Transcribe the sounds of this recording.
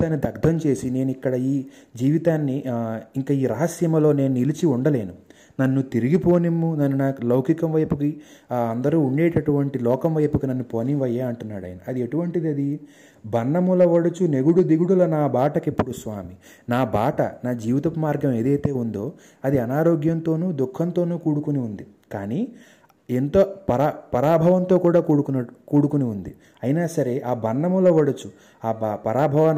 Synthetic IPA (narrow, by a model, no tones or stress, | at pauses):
aːnːid̪ʱɐɡd̪ʱɐɲt͡ʃe̞ːsine̞ːnuikːɐɽɐiː | d͡ʒiːʋit̪aːnːiiŋkaːiːɾɐɦɐsjɐmɐlo̞ːne̞ːnunilit͡ʃiuɳɖɐle̞ːnu | nɐnːut̪iɾiɡipo̞ːnimːunɐnːunaːklɐwkikɐmʋɐjpukiɐnd̪ɐɾuːuɳɖe̞ːʈɐʈuʋɐɳʈilɔːkɐmʋɐjpukinɐnːupoːniʋɐjeːɐɳʈunːaːɽɐ̰ːjɐnɐɐd̪ieʈuʋɐɳʈid̪iɐd̪i | bʱɐnːɐmulɐʋɐɽɐt͡ʃune̞ɡuɽud̪iɡuɽulɐnaːbʱaːʈɐkepːuɽusʋaːmi | naːbʱaːʈɐ̰naːd͡ʒiːʋit̪ɐpɐmaːɾɡɐme̞ːd̪ɐjt̪e̞ːund̪o̞ː | ɐd̪iɐnaːɾo̞ːɡjɐnt̪o̞ːnuːd̪ukʰːɐnt̪o̞ːnuːkuːɽukuniund̪i | kaːniː | ent̪opɐɾapɐɾaːbʱɐʋɐnt̪o̞ːkuːɽaːkuːɽukunɐkuːɽukuniund̪i | ɐjinaːsɐɾe̞ʔaːbʱɐnːɐmulɐʋɐɽɐt͡ʃu | aːbpɐɾaːbʱɐʋɐn